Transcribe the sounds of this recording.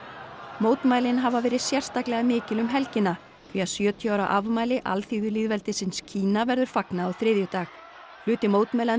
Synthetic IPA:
moːwt̪maːjlɪnɦavavɛːɾɪðsjɛr̥st̪aklɛɣamɪːcɪlʏmɦɛlcɪnːa | kviaðsjœːt̪ʰjawɾa̰ʔavmaːjlɪʔa̰lθiːðʏliːðvɛlt̪ɪsɪnscʰiːnavɛɾðʏɾ̥faknaːwθɾɪðjʏt̪aːx | fl̥ʏːt̪ɪmoːwt̪maːjla

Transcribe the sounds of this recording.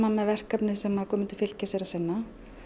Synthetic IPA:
mamɛðvɛr̥kapnɪsɛmaðɾkʰɔːmɪnt̪ɪ̥fɪl̥cɪsɛɾasɪnːa

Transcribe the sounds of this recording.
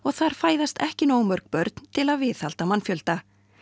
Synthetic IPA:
ɔɣθaɾ̥faːjðast̪ɛhcɪnoːwmœɾ̥kpœɾt̪n̥t̪ʰɪlaðvɪːθhalt̪amanfjœlt̪a

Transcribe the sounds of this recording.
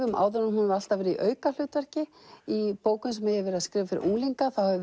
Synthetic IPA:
ʏmʔa̰ːwðʏɾnmhunʏmɾal̥t̪avɛːɾɪḭʔœːɥkal̥ʏːt̪vɛr̥cɪ | ipoːwkʏnsɛmɛɛvɛɾɪaskɾɪːvafɪɾɪ̰ɾʔuŋliŋkaθawhɛv

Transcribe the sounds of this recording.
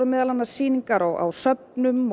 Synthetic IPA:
ʏmɛːðalanːasiːniŋkaɾɔɣa̰wsœp̚nʏm

